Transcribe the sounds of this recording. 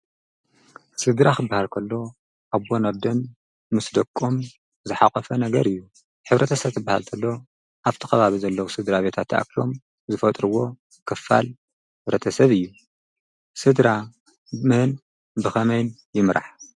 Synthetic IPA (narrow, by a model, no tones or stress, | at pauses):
sɨd̪ɾaxɨbːahalkʰɐlːo̞ | ʔaβbonɐbd̪ɐn | mɨsd̪ɐkʼːom | zɨħakʼɐfɐnɐɡɐɾɨjːu | ħɨβɾʔɐt̪ʰɐsɐβt̪ʰɨbːahalt̪ʰɐlːo̞ | ʔaβt̪ʰɨ̥xɐβaβizɐlːɐwusɨd̪ɾaβe̞t̪ʰat̪ʰːʔa̰klo̞m | zɨfɐt̪ʼɾɨwo̞ | kʰɨfːa̰l | ħħɨβɾɐt̪ʰɐsɐβɨjːu | sɨd̪ɾa | mɨhɨn | bɨxɐmɐjn | jɪmɾʔa̰ħ